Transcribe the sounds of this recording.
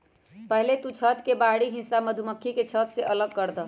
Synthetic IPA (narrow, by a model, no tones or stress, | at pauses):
pəɦlet̪ut͡ʃʰət̪kebaɽiɦĩnsaməd̪ʱuməkʰːiket͡ʃʰət̪seʔələɡ̚kəɾd̪ə